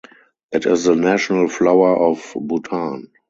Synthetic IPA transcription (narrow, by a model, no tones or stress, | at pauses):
ʔɪtɪsðənæʃɔnəlflaʊə˞ʔɔfbutʰãːn